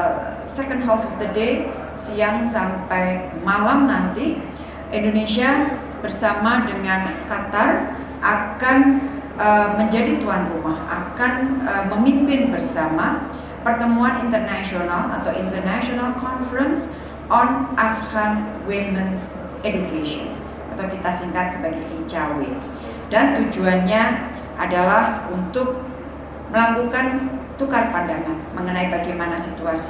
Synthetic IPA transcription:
sɛkəndɦɛlfɔfd̪əde | siaŋsampajmalamnant̪i | ʔindonesia | b̥ərsamadəŋankat̪ar | ʔakanʔəməɲd͡ʒadit̪uanrumahʔa̰kanəməmimpɪnbərsama | pərt̪əmuanint̪ərnasionala̰t̪awint̪ərnaʃionalkɔnfəɾəns | ʔɔnʔafɡan | weməns | edukasiɔ̰n | at̪awkit̪asiŋkat̪̚səbaɡajt̪it͡ʃawe | d̥ant̪ud͡ʒuanɲa | ʔa̰dalahunt̪ʊk̚ | məlakukant̪ukarpandaŋanməŋənaibaɡajmanasit̪uasi̥

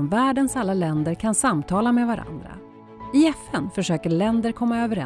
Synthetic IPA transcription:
mvæːɖənsalːalɛnd̪əɾkʰansamt̪ʰɑːlameːd̪vaɾʔa̰nd̪ɾa̰ | ɪɛfɛnfœʂøːkəɭɛnd̪əɾkʰɔmːaøːvəɾɛ

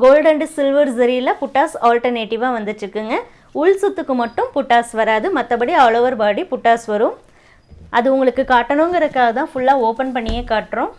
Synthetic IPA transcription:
ɡoːlɖɐɳɖsɪlʋɐɾsɐɾilɐpʊʈːaːsaːlʈɐɾneːʈɪʋaːʋɐnd̪ɯt͡ʃːɯkːɯŋɡɐ | ʊɭsʊt̪ːɯkːɯmɐʈːɯmpʊʈːaːsʋɐɾaːðɯmɐt̪ːɐpɐɽiaːloːʋɐɾbaːɽipʊʈːaːsʋɐɾɯ̃m | ʔɐðɯʊŋɡɐɭɯkːɯkaːʈːɐnoːŋɡɐɾɐkːaːɣɐt̪ãːfʊɭːaːoːpɐnpɐɳːɪjekaːʈːɾʊ̃ː

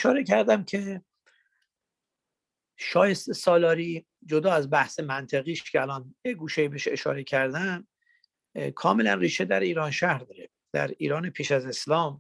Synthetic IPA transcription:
eʃɒːɾecʰæɾd̪æmcʰe̞ | ʃɒːjest̪esɒːlɒːɾiː | d͡ʒod̪ɒːæzbæhsemænt̪ʰeɣiːʃcʰeælɒːnjeɡuːʃejibeʃeʃɒ̰ːɾecʰæɾd̪æn | kʰɒːmelænriːʃed̪æɾiːɾɒːnʃæhɾd̪ɒːɾe | d̪̥æ̰ɾḭːɾɒːnepʰiːʃæze̞slɒːm

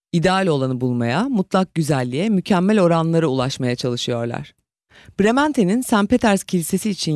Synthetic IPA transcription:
id̪ealʲo̞lˠanɯbulˠmajamut̪lˠak̚ɟyzælʲːijɛmycʰæmːælʲo̞ɾanlˠaɾɯulˠaʃmajat͡ʃʰalˠɯʃɯjo̞ɾlˠa̰ɾ̥ | b̥ɾe̞mænt̪ʰe̞ninsæmpe̞t̪ʰæɾz̥cʰilʲise̞siːt͡ʃʰin

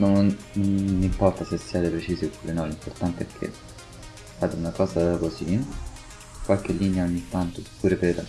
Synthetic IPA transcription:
nononːimpɔrt̪asesːiad̪epɾet͡ʃiːsiopːuːɾenɔlimport̪ant̪eɛkʰːḛ | fad̪eunakɔːzakosi | kwalk̟elːineaoɲːit̪ːant̪osu̥pʰːuːɾepeɾ

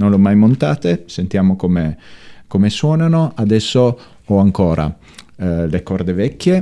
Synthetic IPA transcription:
nonlomːajmont̪aːt̪esent̪jaːmokomekomeswɔːnanoad̪ɛsːo | ɔaŋkoːɾʔa̰ | lekɔɾd̪evɛkːje

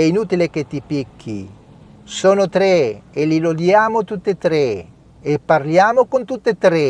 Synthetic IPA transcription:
ɛinut̪ileket̪ːipikːḭ | soːnot̪ɾeelilod̪jaːmot̪ut̪ːet̪ɾe | epːarljaːmokont̪ut̪ːet̪ɾe

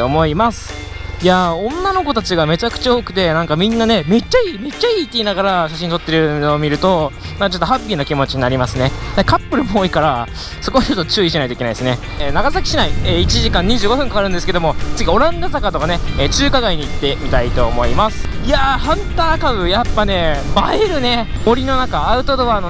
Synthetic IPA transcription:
omo̞imasɨ̥ | jaõ̞nːano̞ko̞t̪at͡ɕiɡame̞t͡ɕakɯ̥t͡ɕao̞ːkɯ̟̥t̪e̞nãŋkamʲĩnːane̞me̞t͡ɕːaiːme̞t͡ɕːaiːt̪ːeinaɡaɾaɕaɕ̬ĩnt̪o̞t̪ːe̞ɾɯ̟noːmʲiɾɯ̟t̪o̞ | naat͡ɕo̞t̪ːoɦapʲːiːnokʲimo̞t͡ɕiɲ̟inaɾʲimasɨne̞d̪ekapːɯ̟ɾɯ̟moːikaɾa | so̞ko̞at͡ɕot̪ːot͡ɕɨːiɕinait̪oikenaid̪esɨne̞ | eːnaɡasakʲi̥ɕinaieːit͡ɕiʑikãɲ̟ːiʑɨːɡo̞ɸɯ̟̃ŋkakaɾɯ̟̃nd̪esɨ̥ke̞d̪omo̞t͡sɨɡʲio̞ɾãnd̪at̪akat̪o̞kaneeːt͡ɕɨːkaɡaiɲ̟iːt̪ːe̞mʲit̪ait̪o̞ːmo̞imasɨ̥jahãnt̪aːkabɯ̟japːane̞maeɾɯ̟ne̞mo̞ɾʲino̞nakaːɯ̟t̪o̞d̪o̞βaːno

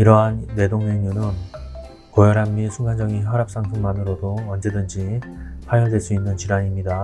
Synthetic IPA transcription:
iɾʌɦanːe̞doŋɲʌɲunɯn | kojʌɾamːisʰuŋɡand͡ʑʌɡinçjʌɾap̚s͈aŋsʰɯŋmanɯɾodoʌnd͡ʑe̞dɯnd͡ʑipʰajʌɭdwe̞ɭs͈uinːɯnt͡ɕiɾaɲimɲida

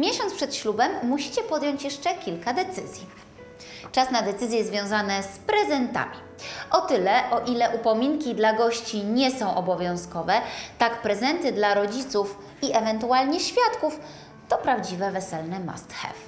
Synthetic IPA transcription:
mʲjɛɕɔnpʂɛt̪ɕlubɛmːuɕi̥t͡ɕɛpɔd̪jɔɲt͡ɕjɛʂt͡ʂɛkʲilkad̪ɛt̪sɘ̰zʲji | t͡ʂasnad̪ɛt̪sɘzʲjɛzvʲjɔ̃w̃zanɛspɾɛzɛnt̪a̰mʲi | ʔɔt̪ɘlɛʔɔʔilɛʔupɔmʲiŋkʲid̪laɡɔɕt͡ɕiɲɛsɔ̃w̃ʔɔbɔvʲjɔ̃w̃skɔvɛt̪akpɾɛzɛnt̪ɘd̪laɾɔd͡ʑit̪suf | iʔɛvɛnt̪ualɲɛɕfʲjat̪kuf | t̪ɔpɾavd͡ʑivɛvɛsɛlnɛma̰st̪xɛ̰f

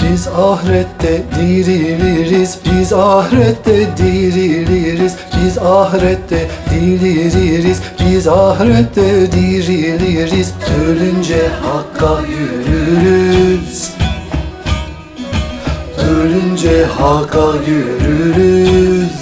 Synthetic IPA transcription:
bizɑhɾɛt̪ːɛd̪iɾiliɾizbizɑhɾɛt̪ːɛd̪iɾiliɾizbizɑɦɾɛt̪ːɛd̪iliɾiɾizbizɑhɾɛt̪ːɛd̪iɾiliɾizølynd͡ʒɛhɑkːɑjøɾyɾyz̥ | ølynd͡ʒɛhɑkɑjøɾyɾyzz

